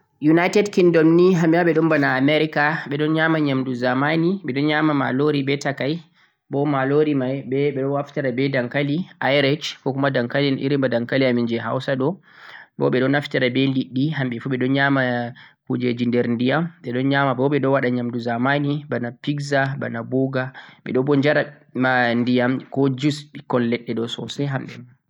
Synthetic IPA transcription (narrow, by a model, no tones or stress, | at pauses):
junajtɛdkindɔmniɦamjaɓɛɗɔmbanaːmɛɾikaɓɛɗɔnɲamaɲamduzamaniɓɛɗɔnɲamama̰loɾibɛtakaj | bɔmaloɾimajɓɛɓɛɗɔnwaftaɾabɛdaŋkaliʔajɾɛt͡ʃkɔkumadaŋkalinʔḭɾimbadaŋkaliamind͡ʒɛɦa̰wsaɗɔ | bɔ̰ɓɛɗɔnafitaɾabɛliɗːiɦamɓɛfuɓɛɗɔnɲamakud͡ʒɛd͡ʒindɛɾndijamɓɛɗɔnɲamabɔɓɛɗɔwaɗaɲamduzamanibanapiɡzaba̰naboɡaɓɛ̰ɗɔbɔɲd͡ʒaɾa | mandijamkɔd͡ʒusɓikɔnlɛɗːɛɗɔsɔ̰sɛɦamɓɛ̰